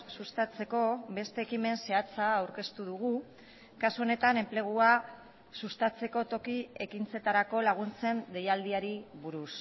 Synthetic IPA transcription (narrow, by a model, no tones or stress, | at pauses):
sust̪at͡se̞ko̞βe̞st̪e̞ːkime̞nse̞at͡saːwɾke̞st̪uðuɣ̞u | kasuo̞ne̞t̪ane̞mple̞ɣ̞ua | sust̪at͡se̞ko̞t̪o̞kie̞kint͡se̞t̪aɾako̞laɣ̞unt͡se̞nd̪e̞jald̪iaɾiβuɾus